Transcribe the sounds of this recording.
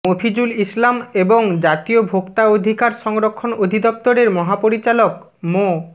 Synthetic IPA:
opʰid͡ʑulislameboŋd͡ʑat̪iobʱokt̪aod̪ʱikaɾʃɔŋɾokʰːonod̪ʱid̪ɔp̚t̪oɾeɾmɔɦapoɾit͡ɕalok | mo

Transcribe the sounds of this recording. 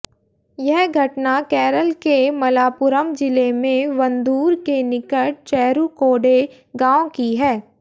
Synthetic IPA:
jɛɦɡʱɐʈnakɛːɾəlkemɐlaːpʊɾəmd͡ʒɪlemẽʋɐ̃nd̪uːɾkenɪkəʈ̚t͡ʃɛːɾukoːɖe | ɡãːõkiɦɛː

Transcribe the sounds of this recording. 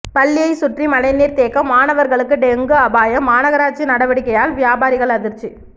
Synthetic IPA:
pɐlːɪjɐɪsʊʈrimɐlɐɪniːɾt̪eːkːɐmːaːnɐʋɐɾɣɐɭɯkːɯɖɛŋɡɯɐbaːjɐmaːnɐɣɐɾaːʈ̚t͡ʃːinɐɽɐʋɐɽɪkːɐjaːlʋjaːbaːɾɪɣɐɭɐðɪɾt͡ʃːi

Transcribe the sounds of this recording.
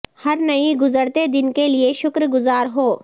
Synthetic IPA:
hɐɾnɐiɡʊzəɾt̪ed̪ɪnkelieʃʊkɾɡʊzaːɾɦoː

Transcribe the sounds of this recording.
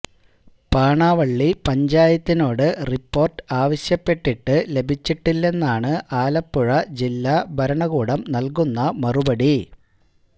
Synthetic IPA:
paːɳaːʋɐɭːipɐɲd͡ʑaːjɐt̪ːino̞ːɽɨripːo̞ːrʈɨaːʋɐɕjɐpːe̞ʈːiʈːɨle̞bʱit͡ɕːiʈːilːe̞nːaːɳɨʔaːlɐpːuɻɐd͡ʑilːabʱɐɾɐɳɐɣuːɽɐmnɐlkunːɐmɐrubɐɽi

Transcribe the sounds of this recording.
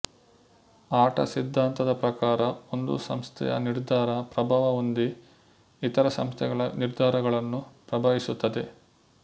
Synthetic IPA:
aːʈɐ̰sid̪ʱːaːnt̪ɐd̪ɐpɾɐkaːɾɐo̞nd̪ṵsɐ̰mst̪ʰɛ̰jɐ̰niɾd̪ʱaːɾɐpɾɐbʱaːʋɐond̪iː | t̪ɐɾɐsɐ̰mst̪ʰɛɡɐɭɐniɾd̪ʱaːɾɐɡɐɭɐnːupɾɐbʱaːʋisut̪ːɐd̪e̞

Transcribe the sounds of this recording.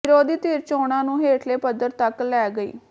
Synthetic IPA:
ɪɾoːd̪iːt̪iːɾt͡ʃoːɽãːnũːɦeːʈʰleːpəd̪əɾt̪əklɛːɡəḭː

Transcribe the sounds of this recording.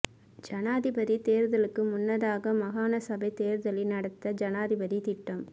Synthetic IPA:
d͡ʒɐnaːðɪbɐðit̪eːɾðɐlɯkːɯmʊnːɐðaːɣɐmɐɣaːnɐsɐbɐɪt̪eːɾɯðɐlɪnɐɽɐt̪ːɐd͡ʒɐnaːðɪbɐðit̪ɪʈːɐm

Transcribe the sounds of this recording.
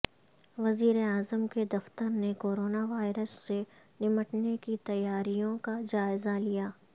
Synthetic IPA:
ʋɐziːɾeaːzəmked̪ɐft̪əɾnekoːɾoːnaʋaːɪɾəsːe | nɪməʈnekit̪ɐjːaːɾijõkad͡ʒaːɪzalijaː

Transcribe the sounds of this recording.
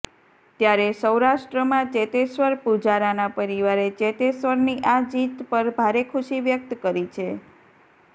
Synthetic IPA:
t̪jaɾesəwɾaʃʈɾəmãt͡ʃet̪esʋəɾpud͡ʒaɾanapəɾiʋaɾet͡ʃet̪esʋəɾniʔad͡ʒit̪pəɾbʱaɾekʰuʃiʋjək̚t̪kəɾit͡ʃʰe

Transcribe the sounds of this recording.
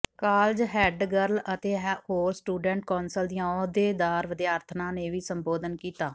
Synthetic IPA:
kaːld͡ʒɦɛːɖɡəɾlət̪eːɦhoːɾsʈuːɖɛ̃ːɳʈkɔːnsəld̪ijãːod̪eːd̪aːɾʋəd̪jaːɾt̪ʰnãːneːʋiːsəmboːd̪ənkiːt̪aː

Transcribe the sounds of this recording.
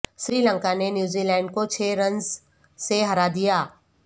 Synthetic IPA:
sɾiːlə̃ŋkanenjuːzilɛ̃ːɳɖkot͡ʃʰeːɾɐ̃nz | seɦɐɾad̪ijaː

